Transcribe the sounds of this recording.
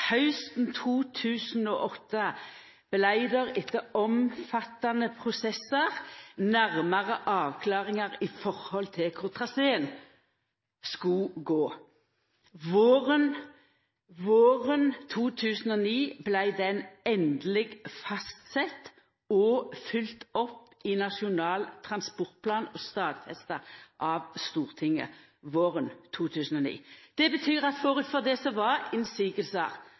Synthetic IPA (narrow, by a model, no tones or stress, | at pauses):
hɑʉst̪n̩t̪ʰuːt̪ʰʉːsn̩oːʔɔt̪ːə | b̥læɪd̪əʁɪt̪ːəɔmfɑt̪ːɑnəpʰʁʊsɛsəʁnæʁməʁəʔɑːʋkʰlɑːʁɪŋɑʁiːfɔʁhɔlt̪ʰɪlkʰʊʁt̪ʰʁɑseːən | skʉɡoː | ʋoːʁən | ʋoːʁənt̪ʰuːt̪ʰʉːsən̩ɔniːblæɪd̪ɛnɛnd̪lɪɡfɑst̪sɛt̪ | ɔfʏlt̪ɔpːɪnɑʂɪʊnɑːlt̪ʰʁɑnspɔʁt̪̚pʰlɑːnɔst̪ɑːd̪fɛst̪əʔɑʋst̪uːʁt̪ʰɪŋːə̰ | ʋoːʁənt̪ʰuːt̪ʰʉːsən̩ɔnḭːd̪̥ɛbət̪ʰyːʁɑt̪fɔːʁʉt̪fɔd̪ɛsɔʋɑɪnsiːɡəlsɑ̰ʁ